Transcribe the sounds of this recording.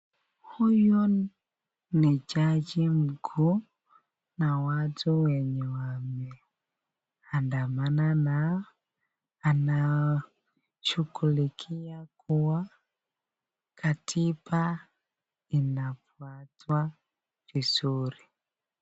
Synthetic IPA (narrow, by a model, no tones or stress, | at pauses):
huju | nid͡ʒad͡ʒim̩ɡʰu | nawatuwɛɲɛwamɛ | andamanana | na | t͡ʃukulikʰijakuwa | kʰatʰipa | inafuatwa | vizuɾi